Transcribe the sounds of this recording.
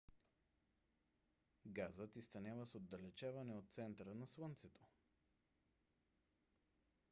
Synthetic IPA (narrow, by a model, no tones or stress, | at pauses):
ɡazət̪ist̪ɐnʲjavəsod̪dːɐlɛt͡ʃavɐnɛot̪̚t̪sɛnt̪əɾənɐslˠənt̪sɛt̪o̥